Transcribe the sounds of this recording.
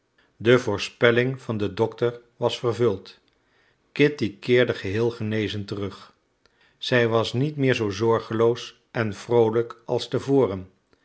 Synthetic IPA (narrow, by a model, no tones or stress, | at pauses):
dəvʊːɹspɛlɪŋv̥ɑndədɔktəɹ | ʋɑsfərvɵlˠt | kɪtikɪːɹdəχəɦɪːlˠχənejzəntərɵχ | z̥ɛjʋɑsnitmɪːɹzowzɔɹχəlows | ɛnv̥rowləkʔɑ̰lˠstəvʊːrən